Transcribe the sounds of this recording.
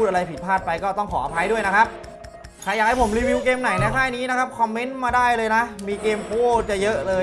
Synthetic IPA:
uː˥˩ʔa˧ɾa˧jpʰi˨˩t̪̚pʰaː˥˩t̪̚pa˧jkɔː˥˩t̪ɔ˥˩ŋkʰɔː˩˦a˧pʰa˧jdu˥˩əjna˦˥kʰa˦˥p̚ | kʰa˧ja˨˩k̚ha˥˩pʰo˩˦mɾiː˧wi˧wkeː˧mna˨˩˦jnɛ˧˦˥kʰaː˥˩jniː˦˥na˦˥kʰa˦˥p̚kʰɔ˧mːe˦˥nmaː˧daː˥˩jlɤː˧jna˦˥ʔmiː˧keː˧mʔo˧˥˩t͡ɕa˨˩jɤ˦˥ʔlɤː˧

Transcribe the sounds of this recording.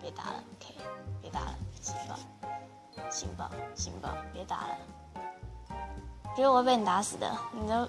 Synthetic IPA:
pjɛ˧˥t̪a̰˧˥lə̰˧kʰe˥˩ɪpjɛ˧˥t̪a̰˧˥lə̰˨ɕʰi˧˥ŋpɑ̰˨˩˦ʊ | ɕḭ˧˥ŋpɑ̰˨˩˦ʊɕḭ˧˥ŋpɑ̰˨˩ʊpjɛ˧˥t̪a̰˧˥lə̰˨ | p̩˧˥u˥wɔ˧˥pe˥˩n˨˩t̪a˧˥sɹ̩˨˩d̪ə̰˦ni˨˩t̪o˥˧ʊ

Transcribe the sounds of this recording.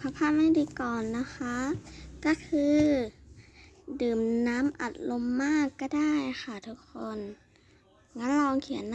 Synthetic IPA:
pʰa˧˩pʰa˧˥˨nma˧˥˩diː˧˦kɔː˨˩nːa˦˥xʰa˦˥kɔ˧˩kʰɯː˧ | dɯː˨˩mnaː˦˥mʔa˨˩t̪̚lo˧mːaː˥˩kːɔ˧˩daː˥˩jxa˧˩t̪ʰu˦˥kʰːo˧˩˨n | ŋa˧˦˥nla˧˨˧ŋkʰi˨˩˦nː

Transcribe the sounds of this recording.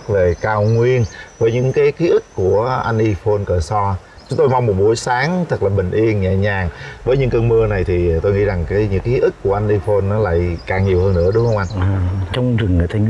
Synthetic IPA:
k̚ve˨˩kaː˧wŋwi˧ənvəː˨˦jɲɨ̰˧˥ŋkaː˨˦jki˨˦ʔi˦˥k̚ku˧˩əʔa˧jnʔi˧fo˧nkəː˨˩sɔ˧ | t͡ɕʊ˨˦ŋ͡mt̪o˧jma˧wŋ͡mmo˨˩t̚ɓu˨˦əjsaː˨˦ŋt̪ʰə˨˩k̚laː˨˩ɓï˨˩ŋ̟ʔi˧ənɲɛ̰˧˨ɲaː˨˩ŋvəː˨˦jɲɨ̰˧˥ŋkəː˧nməː˧na˨˩jt̪ʰi˨˩˨t̪o˧jŋḭ˧˥za˨˩ŋkaː˨˦jɲɨ̰˧˥ŋki˨˦ʔi˦˥k̚ku˧˩əʔa˧nʔi˧fo˧nːɔ˨˦la̰ː˧˨jkaː˨˩ŋɲi˨˩əwhəː˧nːɨ̰˧˥ə˩ɗʊ˨˦ŋ͡mhə˧ŋ͡mʔa˧nː˨˩t͡ɕɔ˧wŋ͡mzɨ˨˩ŋː˨˩t̪ʰa˨˧

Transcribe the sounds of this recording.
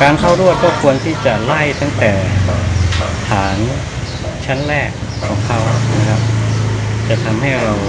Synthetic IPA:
kaː˧nkʰa˥˩wɾu˥˩ət̪̚kɔː˥˩kʰu˧ənt̪ʰiː˥˩t͡ɕa˨˩la˥˩jt̪a˥˩ŋt̪ɛː˨˩ | t̪ʰaː˩˦n | t͡ɕʰa˦˥˨nɾɛː˥˩kʰːɔː˩˦ŋkʰa˦˥˩wna˦˥kʰa˦˥p̚ | t͡ɕa˨˩t̪ʰa˧mha˥˩jɾa˧w

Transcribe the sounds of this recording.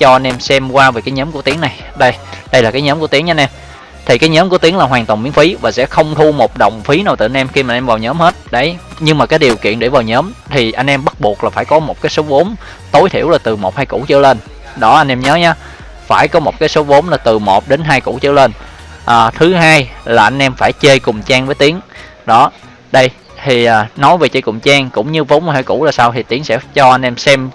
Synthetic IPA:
t͡ɕɔ˧ʔa˧jn̟ʔɛ˧msɛ˧mkwaː˧vəe˨˩kaː˨˦jɲəː˨˦mku˧˩ət̪i˨˦əŋna˨˩j | ɗə˧jɗə˧jlaː˨˩kaː˨˦jɲəː˨˦mku˧˩ət̪i˨˦ŋɲaː˧nʔɛ˧m | t̪ʰi˨˩kaː˨˦jɲəː˨˦mku˧˩ət̪i˨˦əŋlaː˨˩ɦwaː˨˩ŋt̪wnmi˨˦ənfi˨˦vaː˨˩sɛ̰˧˥xə˧wŋ͡mt̪ʰu˧mo˨˩t̚ɗə̰˨˩wŋ͡mfi˨˦naː˨˩wt̪ɨ˨˩ʔa˧nʔɛ˧mxi˧maː˨˧nʔvaː˨˩wɲəː˨˦mhe˦˥t̚ɗə˧˩jɲɨ˧ŋmaː˨˩kaː˨˦jɗi˨˩əwkḭ˧˨ənɗe˧˥˩vaː˨˩wɲəː˨˦mt̪ʰi˨˩ʔa˧jŋ̟ʔɛ˧mɓə˦˥t̚ɓu˨˩ək̚laː˨˩faː˧˩jkɔ˨˦mo˨˩t̚kaː˨˦jso˨˦ɓo˨˦n | t̪o˨˦jt̪ʰi˧˩əwlaː˨˩t̪ɨ˨˩mo˨˩t̚haː˧jkṵ˧˩t͡ɕɨ˧˩le˧n | ɗɔ˨˦ʔa˧ŋ̟ʔɛ˧mɲəː˨˦ɲaː˨˧˦ | faː˧˩jkɔ˨˦mo˨˩t̚kaː˨˦jso˨˦vo˨˦ŋ͡mlaː˨˩t̪ɨ˨˩mo˨˩t̚ɗe˨˦nɦaː˧jkṵ˧˩t͡ɕɨ̰˧˥əle˧nʔaː˨˩t̪ʰɨ˨˦ɦaː˧jlaː˨˩ʔa˧jŋ̟ʔɛ˧mfaː˧˩jt͡ɕe˧jkʊ˨˩ŋ͡mt͡ɕaː˧ŋvəː˨˦jt̪i˨˦əŋ | ɗɔ˨˦ | ɗə˧j | t̪ʰi˨˩ʔaː˨˩nɔ˨˦jve˨˩t͡ɕə̰˧jkʊ˨˩ŋ͡mt͡ɕaː˧ŋkʊ̰˧˥wŋ͡mɲɨ˧vo˨˦ŋ͡mhaː˧jkṵ˧˥laː˨˩saː˧wt̪ʰi˨˩t̪i˨˦əŋsɛ̰˧˥t͡ɕɔ˧ʔa˧jŋ̟ʔɛ˧msɛ˧m

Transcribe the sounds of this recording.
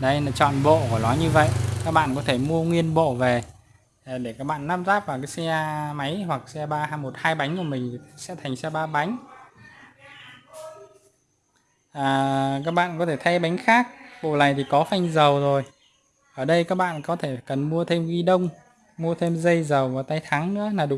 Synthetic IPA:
ɗə˧jlaː˨˩t͡ɕɔ̰˧˨nɓo̰˧˨ɔ˧˨˩lɔ˨˦jɲɨ˧və̰˧˨jʔkaː˦˥k̚ɓa̰ː˧˨nkɔ˨˦t̪ʰe˧˩mu˧əŋwi˧ənɓo̰˧˨ve˨˩˨ | ɗe˧˩kaː˦˥k̚ɓa̰ː˧˨nːaː˦˥p̚zaː˦˥p̚vaː˨˩kaː˨˦jsɛ˧ma˨˦jhwa˨˩k̚sɛ˧ɓaː˧mo˨˩t̚haː˧jɓa˨˦jŋ̟ku˧˩əmï˨˩ŋ̟˨˩sɛ̰˧˥t̪ʰa˨˩jŋ̟sɛ˧ɓaː˧ɓa˨˦jŋ̟ | ʔəː˨˩kaː˦˥k̚ɓa̰ː˧˨nkɔ˨˦t̪ʰe˧˩t̪ʰa˧ɓa˨˦jŋ̟xaː˦˥k̚ɓo̰˧˨la˨˩jt̪ʰi˨˩kɔ˨˦fa˧jŋ̟zə˨˩wzo˨˩j | ʔəː˧˩ɗə˧jkaː˦˥k̚ɓa̰ː˧˨nkɔ˨˦t̪ʰe˧˩kə˨˩nmu˧ət̪ʰe˧mɣi˧ɗə˧wŋ͡m | mu˧ət̪ʰe˧mzə˧jzə˨˩wvaː˨˩t̪a˧jt̪ʰaː˨˦ŋnɨ̰˧˥ənaː˨˩ɗ

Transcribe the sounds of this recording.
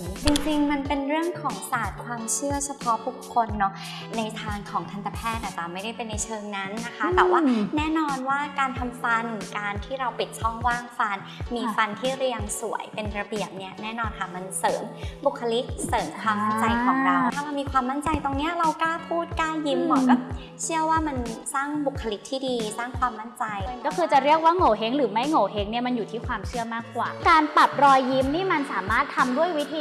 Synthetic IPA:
t͡ɕi˧ŋt͡ɕi˧ŋma˧npe˧nɾɯ˥˩əŋkʰɔː˩˦ŋsaː˨˩t̪̚kʰwaː˧mt͡ɕʰɯ˥˩ɐt͡ɕʰa˧pʰɔ˦˥pʰuː˦˥˩kʰːo˧nːɔ˦˥ | na˧jt̪ʰaː˧ŋkʰɔː˩˦ŋt̪ʰa˧nt̪ʰa˧pʰɛː˥˩t̪̚na˨˩t̪a˨˩ma˥˩jda˥˩jpe˧nːa˧jt͡ɕʰɤː˧ŋna˦˥nːa˦˥kʰa˦˥t̪ɛː˨˩waː˥nɛː˦˥˨nɔː˧nwaː˥˩kaː˧nt̪ʰa˧mfa˧nkaː˧nt̪ʰiː˥˩ɾa˧wpi˨˩t̪̚t͡ɕʰɔ˥˩ŋwaː˥˩ŋfa˧n | miː˧fa˧nt̪ʰiː˥˩ɾi˧əŋsu˨˩˦əjpe˧nɾa˧bi˨˩əp̚ni˦˥ɐnɛː˥˩nɔː˧nkʰa˦˥˩ma˧nsɤː˩˦mbu˨˩kʰːa˧li˦˥k̚sɤː˩˦nkʰwaː˧mːa˦˥nt͡ɕa˧jkʰɔ˨˧ɾa˨˧˩a˥˩ma˧wmiː˧kʰwaː˧mːa˥˩nt͡ɕa˧jt̪o˧ŋni˦˥ɐɾa˧wkaː˥˩pʰuː˥˩t̪̚kaː˥˩ji˦˥mbɔ̰ː˨˦kɔː˥˩ | t͡ɕʰɯ˥˩əwaː˥˩ma˧nsaː˥˩ŋbu˨˩kʰːa˧li˦˥k̚t̪ʰiː˥˩diː˧saː˥˩ŋkʰwaː˧mːa˥˩nt͡ɕa˧jkɔː˥˩kʰɯː˧t͡ɕa˨˩ɾi˥˩ək̚waː˥˩ŋoː˨˩ɦe˦˥ŋɾɯː˩˦ma˦˥˩jŋoː˨˩ɦe˦˥ŋni˥˩ɐma˧njuː˨˩t̪ʰiː˥˩kʰwaː˧mt͡ɕʰɯ˥˩əmaː˥˩kːwa̰ː˨˩kaː˧npa˨˩p̚ɾɔː˧jːi˦˥mniː˥˩ma˧nsaː˩˦maː˥˩t̪ʰːa˧mdu˥˩əjwi˦˥t̪ʰiː˧

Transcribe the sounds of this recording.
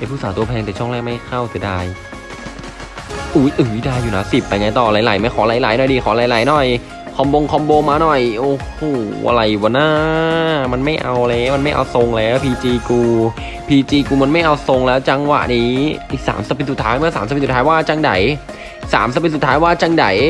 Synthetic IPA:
ʔa˧˩pʰuː˥˩saː˨˦t̪u˧ɐpʰɛː˧ŋt̪ɛː˨˩t͡ɕʰɔ˥˩ŋlɛː˥˩k̚ma˥˩jkʰa˥˩wsi˨˧˦daː˧j | ʔuː˨˦jʔɯː˨˩˦jdaː˧jːuː˨˩na˦˥si˨˩p̚ːa˧jŋaː˧jt̪ɔː˨˩laː˨˩˦jla̰˨˩˦jma˧˩jkʰɔː˩˦laː˨˩˦jlaː˨˩˦jnɔ˨˩jdiː˧kʰɔː˩˦laː˨˦laː˨˩˦jnɔ˨˩j | kʰɔ˧mboː˧ŋkʰɔ˧mboː˧ŋmaː˧nɔ˨˩jʔoː˧˩hoː˨˩ʔa̰˧ɾa˨˩jbɔː˨˩˦naː˥˩ma˧nma˥˩jʔa˧wʔa˧ɾa˧ja˦˥˩ma˧nma˥˩jʔa̰˧wso˧ŋlɛː˦˥wpʰiː˧t͡ɕiː˧kuː˧ | pʰiː˧t͡ɕiː˧kuː˧ma˧nma˥˩jʔa˧wso˧ŋlɛː˦˥wt͡ɕa˧ŋwa̰˨˩ʔniː˦˥ʔiː˨˩k̚sa̰ː˩˦msa˧pe˧su˨˩t̪ʰːaː˦˥jmɯ˥˩˨saː˨˦sa˧su˨˩t̪ʰaː˦˥jwaː˥˩t͡ɕa˧ŋda̰˨˩˦j | sa̰ː˩˦msa˧pe˧t̪su˨˩t̪ʰaː˦˥jwaː˥˩t͡ɕa˧ŋda̰˨˩˦j

